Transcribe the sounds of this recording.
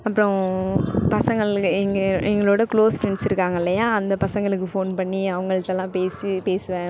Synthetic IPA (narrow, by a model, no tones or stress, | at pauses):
ɐpːɐɾɔ̃ | pɐsɐŋɡɐɭːɛŋɡɛŋɡɐɭoːɽɐkɭoːsfɾɛɳɖsɪɾɯkːaːŋɡɐɪlːɐjaːɐnd̪ɐpɐsɐŋɡɐɭɯkːɯfoːnpɐɳːiɐʋɐŋɡɐɭɯt̪ːɐlːãːpeːsipeːsɯʋẽ